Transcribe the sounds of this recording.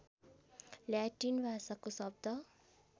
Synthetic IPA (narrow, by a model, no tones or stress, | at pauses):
ljaʈinbʱasakosʌb̚d̪ʌ